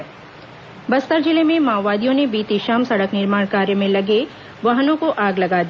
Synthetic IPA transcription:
bɐst̪əɾd͡ʒɪlemẽmaːʋːaːd̪ijõnebiːt̪iʃaːmsɐɽəknɪɾmaːɽ̃kaːɾjəmẽlɐɡe | ʋɐɦnõkoʔaːɡlɐɡaːd̪ia

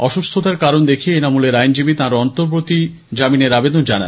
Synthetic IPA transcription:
ɔʃust̪ʰot̪aɾkaɾond̪ekʰieenamuleɾajnd͡ʑibit̪ãɾɔnt̪oɾpɾot̪i | d͡ʑamineɾabed̪ond͡ʑana̰n

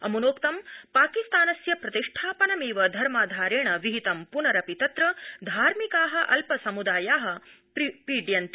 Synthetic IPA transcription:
ɐmunoːkt̪ɐmpaːkist̪aːnɐsjɐpɾɐt̪iʂʈʰaːpɐnɐmiːʋɐd̪ʱɐɾmaːd̪ʱaːɾeːɳɐʋiɦit̪ɐmpunɐɾɐpit̪ɐt̪ɾɐd̪ʱaːɾmikaːɦɐ̆ʔɐlpɐsɐmud̪aːjaːɦɐ̆ | ppiːɖjɐnt̪

